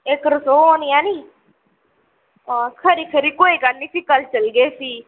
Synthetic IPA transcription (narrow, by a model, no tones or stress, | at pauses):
ekɾəsoːonijãːniː | ãːkʰəɾiːkʰəɾiːkoːikəniːsiːkəlt͡ʃəlɡeːsiː